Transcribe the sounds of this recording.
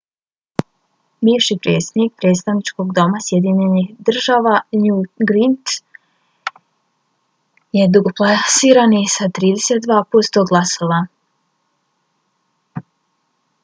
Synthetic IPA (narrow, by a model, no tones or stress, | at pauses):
biːʃipɾḛt̪sed̪nik̚pɾe̞ːt̪st̪aʋnit͡ʃko̞ɡd̪o̞masjed̪iɲenixd̪r̩ʒaːʋanuɡɾint̪ | je̞d̪uɡoplˠasiːɾanisat̪ɾiːd̪eset̪̚d̪ʋaːpost̪oɡlˠasoʋa